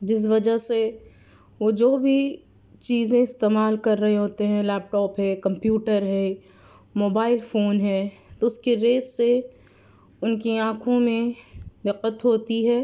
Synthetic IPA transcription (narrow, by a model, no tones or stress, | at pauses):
d͡ʒɪs̬ʋɐd͡ʒəɦse | ʋod͡ʒoːbʱi | t͡ʃiːzẽɪst̪eːmaːlkɐɾːɐɦeɦoːt̪eɦɛ̃lɛːp̚ʈɔːpɦɛːkɐ̃mpjuːʈəɾɦɛ | moːbaːɪlfoːnɦɛːt̪oʊskiɾeːsːe | ʊnkiãːkʰõmẽd̪ɪqːət̪ɦoːt̪iɦɛː